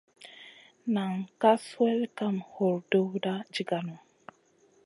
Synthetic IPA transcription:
na˨ŋka˦swɛ˦lka˦mho˨ɾdo˦wda˦d͡ʒi˦ɡa˨nu˨

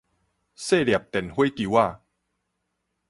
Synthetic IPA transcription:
se˥˨lja˨˩p̚t̪ɛ˨˩nhwe˦ki˨wa˥˧

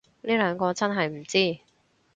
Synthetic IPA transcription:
liː˥lœː˨˧ŋkɔː˧t͡sɐ˥nɦɐ˨jm̩˨˩t͡siː˥˩

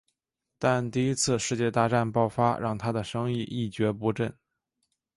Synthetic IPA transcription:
t̪a˥˧nt̪i˥˩i˥t͡sʰɹ̩˥˧ʂɻ̩˥˧t͡ɕjɛ˥˧t̪a˥˧ʈ͡ʂa˥˧npɑ˥˩ʊfa˥ɻʔɑ̰˥˩ŋt̪ʰa˥d̪ə˨ʂɤ˥ŋi˥˧ʔi˥˩t͡ɕɥɛ˧˥pu˧˥ʈ͡ʂə˥˩n

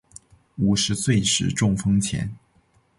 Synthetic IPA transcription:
u˨˩ʂɻ̩˧˥swe˥˩ɪʂɻ̩˨˩ʈ͡ʂʊ˥˩ŋfɤ˥ŋt͡ɕʰjɛ̰˧˥n

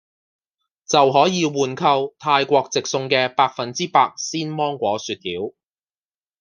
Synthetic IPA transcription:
t͡sɐ˨wɦɔː˨˥jiː˨˧wuː˨˩nkʰɐ˧wt̪ʰaː˧jkʷɔː˧k̚t͡sɪ˨k̚sʊ˧ŋkɛː˧paː˧k̚fɐ˨nt͡siː˥paː˧k̚siː˥nmɔː˥ŋkʷɔː˨˥syː˨˧t̪̚hiː˨˥w

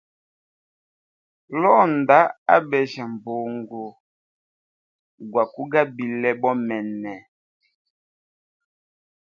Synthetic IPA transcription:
lɔ˦n˨da˨˦a̰˦bɛ˨ʒa˨m˨bo˨ŋɡo˨ | ɡwa˨ku˦ɡa˦bi˨lɛ˦ɓɔ˦mɛ˨nɛ˨

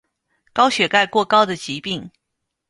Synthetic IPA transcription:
kɑ˥ʊɕɥɛ˨˩ka˥˧ɪkwɔ˥˧kɑ˥ʊd̪ə˨t͡ɕi˧˥pi˥˩ŋ

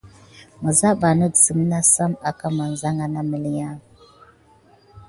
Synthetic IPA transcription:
mə˨za˦ba˨nə˦dsə˨m˦na˦sa˦ma˨ka˦ma˨n˨za˦ŋɡa˨na˦mə˨li˨˦ja˦ŋ

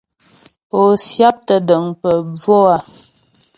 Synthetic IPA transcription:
o˨sja˦p̚tə˨də˨ŋpə˨b͡vo˦a˦

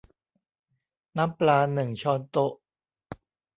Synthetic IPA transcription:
na˦˥mplaː˧nɯ˨˩ŋt͡ɕʰɔː˧nt̪o˦˥ʔ

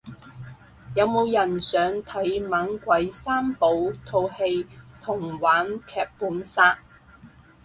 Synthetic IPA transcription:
jɐ˨˧wmo˨˧wjɐ˨˩nsœː˨˥ŋt̪ʰɐ˨˥jmaː˨˥ŋkʷɐ˨˥jsaː˥mpo˨˥wt̪ʰo˧whe˧jt̪ʰʊ˨˩ŋwaː˨˥nkʰɛː˧p̚puː˨˥nsaː˥t̚

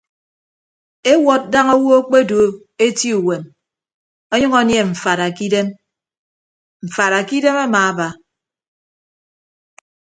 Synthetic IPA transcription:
e˦wɔ˦t̚da˦ŋo˦wo˦o˦k͡pe˦do˨˦ | e˦ti˦u˨we˨m | ɔ˦ɲʌ˦ŋo˦nje˦ɱ̩˨fa˨ɾa˨ki˦de˦m | ɱ̩˨fa˨ɾa˨ki˦de˦ma˦maː˨a˦ba˨

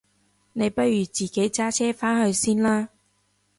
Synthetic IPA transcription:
ne˨˧jpɐ˥t̚ɥyː˨t͡siː˨˩ke˨˥jt͡saː˥t͡sʰɛː˥faː˥nhɵ˧ɥsiː˥nlaː˥

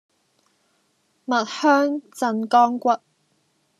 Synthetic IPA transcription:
mɐ˨t̚hœː˥ŋt͡sɐ˨˧nkɔː˥ŋkʷɐ˦t̚

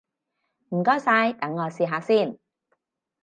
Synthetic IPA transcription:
m̩˨˩kɔː˥˩jsaː˧jt̪ɐ˨˥ŋːɔː˨˧siː˨˧ɦaː˨˧siː˥˩n

